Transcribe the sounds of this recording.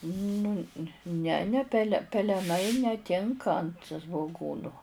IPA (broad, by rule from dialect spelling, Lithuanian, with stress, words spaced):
ˈnʊ nʲɛ nʲɛ ˈpʲæːlʲɛ pʲɛlʲɛˈnɐɪ nʲɛˈtʲɪŋkɐ ɐnt sʋoːˈɡuːnʊ